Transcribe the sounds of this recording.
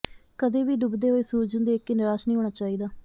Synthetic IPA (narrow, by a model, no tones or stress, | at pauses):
kəd̪eːʋiːɖʊbd̪eːɦoːiːsuːɾd͡ʒʊ̃nd̪eːkːenɪɾaːʃnĩːɦoːɳaːt͡ʃaːiːd̪aː